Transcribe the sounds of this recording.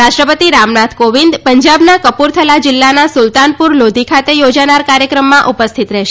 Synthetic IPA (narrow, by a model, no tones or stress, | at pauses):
ɾaʃʈɾəpət̪iɾamnat̪ʰkoʋind̪pəɲd͡ʒabnakəpuɾt̪ʰəlad͡ʒɪlːanasʊlt̪anpuɾlod̪ʱikʰat̪ejod͡ʒanaɾkaɾjəkɾəmːãʔupəst̪ʰit̪ɾɛʃ